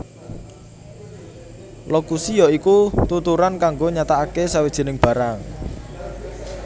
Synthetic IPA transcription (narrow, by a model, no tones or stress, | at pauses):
lokusijɔikut̪ut̪uɾankaŋɡoɲat̪aakesawed̥ʒ̥ə̤nɪŋb̥ä̤ɾaŋ